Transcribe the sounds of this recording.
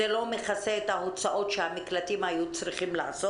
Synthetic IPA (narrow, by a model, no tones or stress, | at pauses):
elo̞meχaseet̪haot͡saʔo̞tʃehamiklat̪imajut͡sɾiχimlaːso